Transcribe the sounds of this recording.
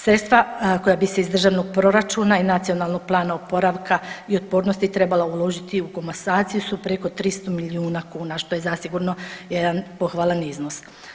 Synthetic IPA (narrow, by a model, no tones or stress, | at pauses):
sɾe̞t̪st̪ʋako̞jabise̞izd̪r̩ʒaʋno̞ɡ̚pɾo̞ɾat͡ʃuːnainat̪sio̞nalˠno̞ɡ̥̚plˠaːnaopo̞ɾaʋkʰaio̞t̪̚po̞ːɾnost̪it̪ɾe̞balaulˠo̞ʒit̪iukomasaːt̪sijusupɾe̞ko̞t̪ɾist̪omiliuːnakuːnaʃt̪o̞je̞zasiɡuɾno̞je̞d̪anpo̞xʋalˠaniznos